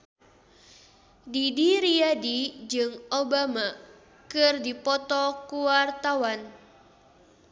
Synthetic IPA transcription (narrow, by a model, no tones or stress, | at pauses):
didiɾijadid͡ʒɨŋobama | kɨrdipɔt̪ɔkuwart̪awan